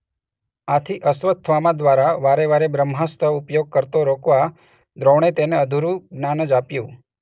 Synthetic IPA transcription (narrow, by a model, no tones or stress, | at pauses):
at̪ʰiʔəsʋət̪t̪ʰʋamãd̪ʋaɾaʋaɾeʋaɾebɾəmɦast̪ʰəupjoɡ̚kəɾt̪oɾokʋa | d̪ɾoɳ̃et̪eneəd̪ʱuɾũɡnanəd͡ʒapjũ